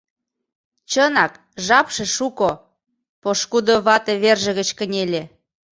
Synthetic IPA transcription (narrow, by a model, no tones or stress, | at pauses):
t͡ɕənɑk | ʒɑpʃĕʃuko | poʃkud̪oβɑt̪eβerʒə̆ɣə̆t͡ɕkə̆nʲelʲe